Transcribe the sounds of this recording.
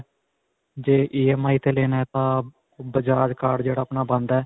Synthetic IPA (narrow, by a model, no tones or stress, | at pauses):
d͡ʒeːʔiːɛːmaːiːt̪eːleːnaːɛt̪ãː | bəd͡ʒaːd͡ʒkaːɖd͡ʒeːɽaːəpnaːbə̃nd̪ɛː